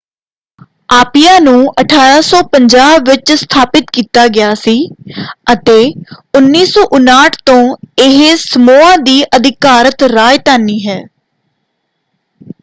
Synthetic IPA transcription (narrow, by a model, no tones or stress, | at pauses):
aːpɪjãːnũːəʈʰaːɾaːsɔːpəɲd͡ʒaːbʋɪt͡ʃst̪ʰaːpɪt̪kiːt̪aːɡɪjaːsiːət̪eːʊnːiːsɔːʔʊnaːʈʰt̪õːɪɦsəmoːãːd̪iːʔəd̪ɪkaːɾət̪ɾaːjt̪aːniːɦɛː